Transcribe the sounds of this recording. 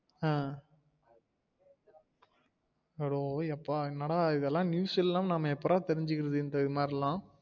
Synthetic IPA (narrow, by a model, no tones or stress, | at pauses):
ãː | ʋɛɽoːɛpːaːɪnːaːɽaːɪðɛlːãːnjuːsɪlːãːmnɐmːɐɛpːɐɾaːt̪ɛɾɪɲd͡ʒɯkːɪɾɐðɯɪnd̪ɐmaːɾɪlãː